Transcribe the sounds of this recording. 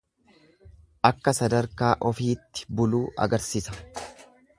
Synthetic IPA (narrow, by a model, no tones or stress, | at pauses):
ʔɐkːɐsɐd̪ɐɾkaːʔɔfiːt̪ːɪ̥bʊluːʔɐ̰ɡɐɾsiːsɐ